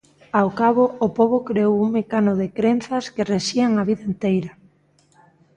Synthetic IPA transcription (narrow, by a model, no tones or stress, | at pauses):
awkaβʊʊpoβ̞ʊkɾeowuŋmekanʊðekɾen̟θɐskereʃiaŋaβ̞iðaent̪ejɾa